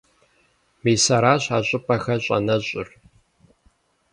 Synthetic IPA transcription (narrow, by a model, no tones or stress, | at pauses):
miːsɐɾaːɕaːɕʼɪpʰʼɐxɐɕʼɐ̰nɐɕʼɪ̰r